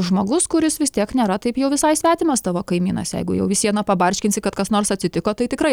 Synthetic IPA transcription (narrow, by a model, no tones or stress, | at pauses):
ʒmoːɡʊskʊɾʲɪsʋʲɪst̪ʲiɛknʲeːɾɐt̪ɐɪpjɛʊʋʲɪsɐɪsʲʋʲæːt̪ʲɪmɐst̪ɑːʋoːkɐɪmʲiːnɐ̰sjɛ̰ɪɡʊjɛʊʋʲɪsʲiɛnɐpɐbɐɾʲʃʲkʲɪnʲsʲɪkɐt̪kɐsnoːrsɐt̪ʲsʲɪt̪ʲɪkoːt̪ɐɪt̪ʲɪkɾɐɪ